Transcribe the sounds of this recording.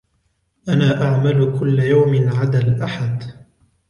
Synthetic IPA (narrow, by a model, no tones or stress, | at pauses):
ʔanaːʔaʕmalʊkʊlːajawmɪnʕad̪alʔaħad̪